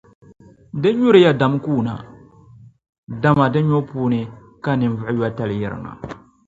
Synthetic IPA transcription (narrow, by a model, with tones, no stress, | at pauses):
dɨ˦ɲʊ˦ɾɨ˨˦ja˦da˨mkuː˦˨na̰˨ | da˨ma˨dɨ˦ɲo˦puː˦nɨ˦ | ka˦˨nɨ˨n˦vʊ˦˨ɪ˦jwa˦ta˦lɪ˨jɪ˨ɾɪ̰˨ŋa̰˨